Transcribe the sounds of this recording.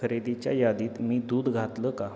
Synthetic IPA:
əɾed̪it͡ɕja̰jad̪iːt̪miːd̪uːd̪ɡʱat̪ləka

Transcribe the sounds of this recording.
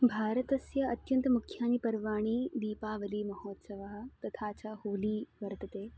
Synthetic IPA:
bʱaːɾət̪ɐsjɐɐt̪jɐnt̪ɐmukʰjaːnipɐɾʋaːɽ̃iːd̪iːpaːʋɐliːmɐhɔːt̪sɐʋaːɦɐt̪ɐt̪ʰaːt͡ɕaːhoːliːʋɐɾt̪ɐt̪eː

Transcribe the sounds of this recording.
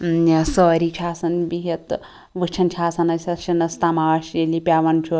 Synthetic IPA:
səːɾit͡ʃʰaːsɐnbiɦɐt̪ | ʋɨt͡ʃʰɐnt͡ʃʰaːsɐnɐsʲɐʃinɐst̪amaːʃelipʲjaːʋɐnt͡ʃʰu

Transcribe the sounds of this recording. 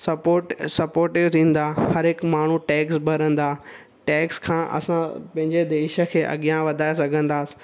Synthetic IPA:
sɐpoːʈsɐpoːɾʈeot̪ʰĩːn̆d̪aːhɐɾɦɪkmaːɳ̤uʈɛːksbʱɐɾə̃nd̪aː | ʈɛːkskʰãːʔɐ̰sãpɐ̃ɦɪ̃ɲd͡ʑed̪eːʃə̆kʰeːʔɐ̰ɠijãʋɐd̪ʱaːesɐɡʱə̃nd̪aːsɪ̥

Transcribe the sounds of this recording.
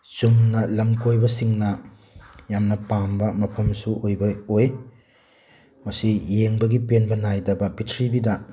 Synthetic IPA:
t͡ʃumnɐlɐmkojbɐsiŋnɐ | jamnɐpambɐmɐpʰɐmsuʔojbɐoj | mɐsijeŋbɐɡipenbɐnajdɐbɐpitʰɾibidɐ

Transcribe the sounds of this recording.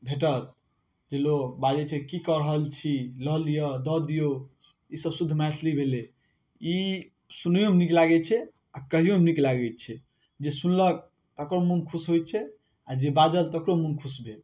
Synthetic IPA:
bʱeʈ̬ət̪̚ | d͡ʒelobad͡ʒɛt͡ʃʰɛkikəɾəɦəlt͡ʃʰiləd̪ijɔd̪ɔd̪ijo | isəbsud̪ʱmaslibʱele | i | sunjomeniklaɡɛt͡ʃʰɛ | akəɦijomniklaɡɛt͡ʃʰɛ | d͡ʒesunlək̚ | t̪əkɾomunkʰusɦojt͡ʃʰɛ | ad͡ʒebad͡ʒəlt̪əkɾomunkʰusbʱel

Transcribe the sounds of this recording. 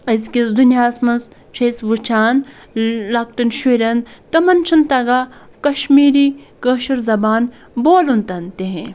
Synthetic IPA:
ɐzʲkʲisd̪unʲjaːsmɐnz | t͡ʃʰɐsʋut͡ʃʰaːn | lɐkʈɐnʃuɾʲɐnt̪ɐmɐnt͡ʃʰɨnt̪ɐɡaː | kɐʃmiːɾiːkəːʃɐɾzɐbaːn | boːlunt̪ɐnt̪eɦẽ

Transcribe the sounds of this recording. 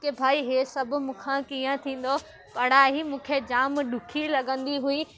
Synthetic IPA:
kebʱaːiɦesɐbʱʊ̆mʊ̃ːkʰãkiːə̃t̪ʰĩːn̆d̪o | pɐɽaːɦimũːkʰed͡ʑaːmɗʊkʰilɐɠə̃nd̪iɦuiː

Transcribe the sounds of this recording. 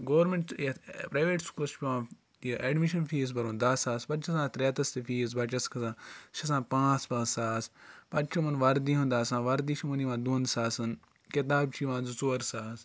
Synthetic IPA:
ɡoːʋɾmẽɳʈjɐpɾaːjʋeːʈskulɐspʲiʋãː | jɐʔeɖmiʃɐnfʰiːzbɐɾõːnd̪aːsaːspɐt͡ʃʰɐsãːt̪ɾeːt̪ɐst̪ifiːzbɐt͡ʃɐskɐsãːʃʰɐsãːpãːt͡spãːsaːspɐt͡ʃt͡ʃʰumɐnʋɐɾd̪iɦũd̪aːsãːʋɐɾd̪iːʃimɐniʋãːd̪uːnsaːsɐn | ket̪̬aːbt͡ʃʰiʋãːzut͡soːɾsaːs

